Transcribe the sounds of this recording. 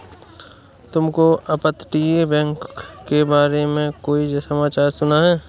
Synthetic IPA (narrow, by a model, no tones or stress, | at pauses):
t̪ʊmkoɐpət̪ʈiebɛ̃ːŋkːebaːɾemẽkoːid͡ʒsɐmaːt͡ʃaːɾsʊnaɦɛː